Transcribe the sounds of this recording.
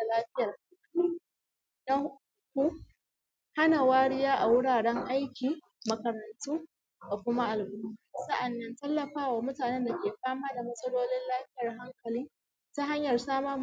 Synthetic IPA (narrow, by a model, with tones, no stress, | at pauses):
a˨laː˦ɸɪ˦jɐ˨ri˦ | dɐ˦kʷu˦ | ha˦na˨waː˦ɽɪ˦jaː˦ʔa˨wʊ˦ɽaː˨ɽɛ˦ŋʔa˦jkʲiː˨ | mɐ˨kɐ˨ɾɐ˨ntuː˦ | da˨kʷʊ˦ma˦ʔa˨lbʊ˦bu˦˨sɐ˦ʔa˨nːɐ˦ntɐ˦lːɐ˨ɸaː˦waː˨mʊ˦taː˨nɛ˦nda˨kʲeː˨ɸaː˦maː˦da˨mɐ˦sʼɐ˦loː˦lɪ˦nlaː˦ɸɪ˦jɐ˨rɦa˦ŋkɐ˨liː˦ | ta˦ɦa˦ɲjɐ˨rsaː˦mɐ˦